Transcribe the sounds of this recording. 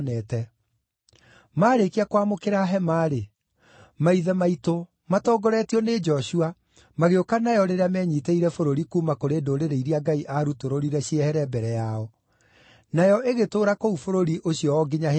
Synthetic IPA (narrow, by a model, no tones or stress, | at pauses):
nɛːtɛ | maːɾekiakwamokeɾaɦɛmaɾe | maiðɛmaito | matɔːɡɔɾɛtiɔned͡ʒɔɕua | maɣeokanajɔɾeɾeamɛɲiːteiɾɛfoɾoɾikuːmakoɾeːdoɾeɾeiɾiaɡaiʔaɾutoɾoɾiɾɛɕiɛhɛɾɛbɛɾɛjaɔ | najɔʔeɣetoːɾakoufoɾoɾiʔoɕiɔɔɡeɲa